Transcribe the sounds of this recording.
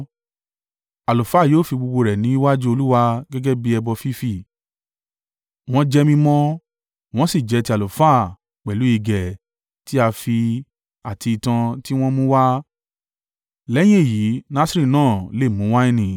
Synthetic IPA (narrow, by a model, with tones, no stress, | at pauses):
a˨lo˨fa˦˨joː˦˨fi˧ɡ͡bu˧ɡ͡bo˧ɾɛ˨nĩ˨˦i˦wa˦d͡ʒu˦o˧lu˦wa˧ɡɛ˦ɡɛ˦bi˦ɛ˧bɔ˧fi˦fi˦˨ | w̃ɔ̃˧d͡ʒɛ˧mĩ˧mɔ̃˦ | w̃ɔ̃˦si˦˨d͡ʒɛ˨˦ti˧a˨lo˨fa˦˨ | k͡pɛ˨lu˨˦i˧ɡɛ˨ | ti˦a˧fi˧ | a˨tʰi˧i˨tã˧ti˦w̃ɔ̃˦mũ˦wa˦ | lɛ˦j̃ĩ˦e˦˨ji˨˦na˦si˦ɾi˦˨nãː˦˨le˦˨mũ˨˦wa˦ĩ˦nĩ˨